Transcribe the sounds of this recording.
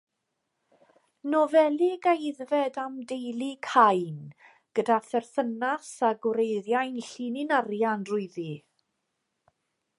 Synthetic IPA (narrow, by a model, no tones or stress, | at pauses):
nɔvɛlˠiɡajðvɛdamdejlˠikʰajn | ɡ̥ədaθɛrθənasaɡʊɾejðjajnɬinɪnarjanrʊɨði